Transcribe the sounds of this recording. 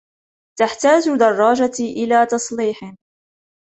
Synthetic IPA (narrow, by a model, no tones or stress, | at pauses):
t̪aħt̪aːd͡ʒd̪ɑrˤːɑːd͡ʒaiʔɪlaːt̪ɑsˤliːħɪ